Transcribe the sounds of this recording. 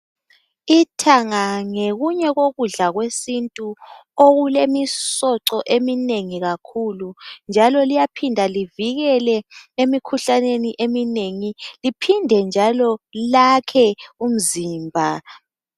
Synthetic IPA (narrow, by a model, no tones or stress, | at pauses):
itʰaŋaŋeɣuɲɛɣoɣuɮaɣwesintʼuoɣulemisɔǀɔʔemineŋiɣakʰulund͡ʒʱalɔlijapʰindʱaliviɣɛlɛemikʰuɬaneniʔemineŋilipʰindʱɛnd͡ʒʱalɔlakʰɛum̩ziːmbʱa